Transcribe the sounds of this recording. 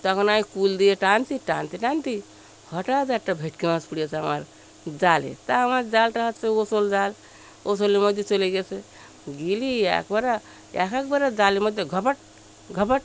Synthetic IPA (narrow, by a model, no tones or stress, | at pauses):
t̪əkənaːikuld̪ijeʈant̪iʈaːnt̪iʈãːnt̪i | həʈad͡zaʈːabʱeʈkeʋãspuɽijeseəmaɾ | d͡ʒaːlḛt̪amaɾd͡ʒaːlʈəɦət̪seosold͡ʒaːl | osoliməd̪ʱjet͡ʃoleɡese | ɡilija̰kbəɾa | ja̰kʰakbəɾad͡ʒaːliməd̪ʱjeɡʱəpəʈ̚ | ɡʱəpəʈ